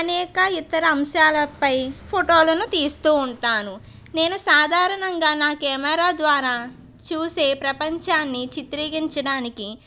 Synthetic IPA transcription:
ɐnɛːkɐit̪ɐɾɐːmʃaːlɐpɐjpʰoʈo̞ːlɐnut̪iːst̪uːɳʈaːnu | ne̞ːnusaːd̪ʱaːɾɐɳɐŋɡaːnaːkɛːmɐɾaːd̪ʋaːɾaː | t͡ʃuːse̞ːpɾɐpɐɲt͡ʃaːnːit͡ʃit̪ɾiːɡiɲt͡ʃɐɽaːniki

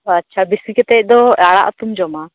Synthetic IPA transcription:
ɐtːʃʰabisikɛt̪ɛˀd̪ɔaɽa̰ʔt̪umd͡ʒɔma

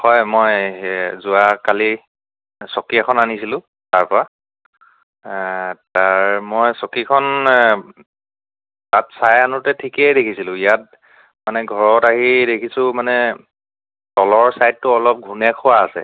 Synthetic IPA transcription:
hɔjmɔjzʊakali | sɔkiakʰɔnanisilʊ̃ | taɹpɔɹa | taɹmɔjsɔkikʰɔn | tatsajanutɛtʰikɛdekʰisilʊ̃ijat̚ | manɛɡʱɔɹɔtaɦidekʰisʊ̃manɛ | tɔlɔɹsajdtʊɔlɔp̚ɡʱunɛkʰʊwaːsɛ̰

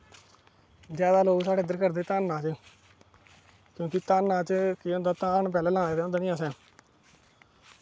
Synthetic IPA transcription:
zjaːd̪aːloːɡsaːɽeːd̪əɾkəɾd̪eːt̪aːnːãːt͡ʃə | kjõːkɪt̪aːnːãːt͡ʃkɪʊ̃nd̪aːt̪ãːɳp̬ɛːlɛːlãːeːd̪eːʊnd̪aːnĩːasɛ̃ː

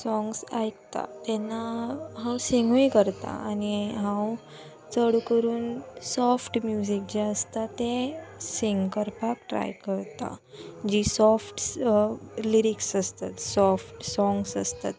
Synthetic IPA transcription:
sɔŋɡsajkt̪a̰t̪ɛnːaɦãwsiŋɡʱujkəɾt̪a̰aniɦãw | t͡səɽukəɾuːnsɔfʈmjud͡ʑik̚d͡ʑeəst̪at̪esiŋɡkəɾpak̚ʈɾa̰jkəɾt̪a̰d͡ʑisɔfʈ | liɾiksəst̪at̪sɔfʈsɔŋɡsəst̪a̰t̪

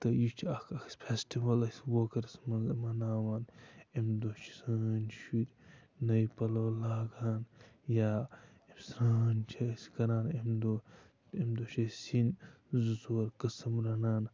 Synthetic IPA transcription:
t̪ɐjit͡ʃʰɐkʰɐkspʰesʈiʋɐlɐswoːkɐɾsmɐmɐnaːʋaːnemd̪oːt͡ʃʰi̥sɐnʃiɾʲ | nɐjpɐloːlaːɡaːnjaː | emsɾaːnt͡ʃʰɐskɐɾaːnemd̪o | emd̪oːʃʰɐsin | zuzoːɾkɐsɐmɾɐnaːn

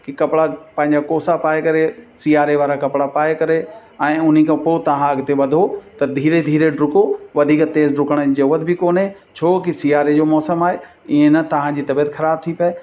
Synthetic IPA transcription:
kɪkɐpɽapɐ̃ɦɪ̃ɲd͡ʑakoːsapaːekɐɾesiːaːɾeʋaːɾakɐpɽapaːekɐɾe | ɛ̃ːʊn̤ikʰãpoːt̪ɐʋ̤ãɐɡt̪eʋɐd̪ʱot̪ɐd̪ʱiːɾed̪ʱiːɾeɖɾʊkoʋɐd̪ʱiːkt̪eːzɖɾʊkəɽ̃d͡ʑɐʋət̪bɪkoːnɦe | t͡ɕʰoːkisiːaːɾed͡ʑoːmɔːsəmaːɦe | ɪẽnɐt̪ɐʋ̤ãd͡ʑiːt̪ɐbijət̪xʰɐɾaːb̚t̪ʰipɐe

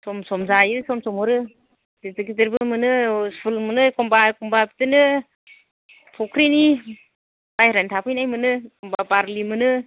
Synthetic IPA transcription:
sɔmsɔmzajɯsɔmsɔmɔɾɯ | dezɯɡizɯɾbɯmɯnɯspʰulmɯnɯkʰɔmbakumbapitɯnɯ | pʰɔkʰɾini | majɾantʰapʰɯjnajmɯnɯkɔmbabaɾlimɯnɯ

